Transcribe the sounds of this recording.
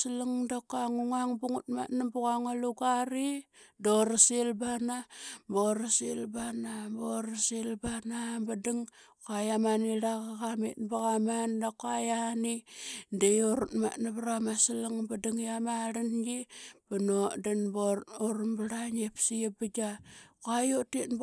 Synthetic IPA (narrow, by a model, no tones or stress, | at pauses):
silaŋdakaŋuŋaŋbuŋut̚ma̰tnabuɣaŋaluɡaɾidoɾasilbanaboɾasilbanamboɾasilbanabadiŋ | kajamaniɾakakamḭtbaɣamandakoajanidejoɾutma̰tnabaɾamasilaŋbadiŋjamaɾanɡib̥anodanbooɾmbaɾaɲepsiebad͡ʒakoajotit